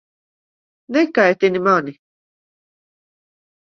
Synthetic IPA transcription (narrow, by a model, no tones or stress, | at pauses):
nekaet̪inimaːni